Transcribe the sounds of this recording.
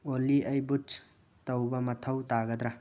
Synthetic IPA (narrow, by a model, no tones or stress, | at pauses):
oliʔɐjbut͡ʃ | tɐwbɐmɐt̪ʰɐwtaɡɐd̪ɾa